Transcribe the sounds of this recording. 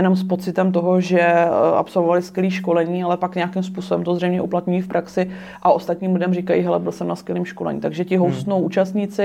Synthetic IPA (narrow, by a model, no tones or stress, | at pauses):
ɛno̞mspo̞t͡sɪt̪ɛmt̪̬o̞ɦoʒɛʔa̰pso̞lvovalɪskjɛliːʃko̞lɛɲiːalɛpakɲɛakimspuːso̞bɛmt̪ozr̝ɛjmɲɛʔuplat̪ɲujifpɾʔaksɪ | ʔaʔo̞st̪at̪ɲiːmlɪdɛmrikajiɦɛlɛbɪlsɛmnaskjɛliːmʃko̞lɛ̰ɲḭt̪aɡʒɛcɪɦowst̪nowʔuːt͡ʃast̪ɲɪt͡sɪ